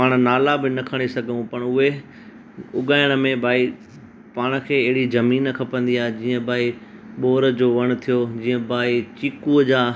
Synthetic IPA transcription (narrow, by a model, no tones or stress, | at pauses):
paːɽ̃̆naːlabɪnɐkʰɐɽ̃esɐɡʱəũpɐɽ̃ʊɦe | ʊɠaːɪɽ̃ə̆mẽbʱaːi | paːɽ̃ə̆kʰeːɐɦɪɽizɐmiːnkʰɐpə̃nd̪iaːɦed͡ʑiːə̃bʱaːi | ɓoːɾəd͡ʑoːʋɐɽ̃̆t̪ʰijod͡ʑiːə̃bʱaːit͡ɕiːkuəd͡ʑaː